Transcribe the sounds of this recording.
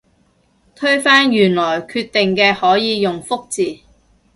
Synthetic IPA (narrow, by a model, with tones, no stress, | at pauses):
t̪ʰɵ˥ɥfaː˥njyː˨˩nlɔː˨˩jkʰyː˧t̪ːɪ˨ŋkɛː˧hɔː˨˥jiː˨˧jʊ˨˩ŋfʊ˥k̚t͡siː˨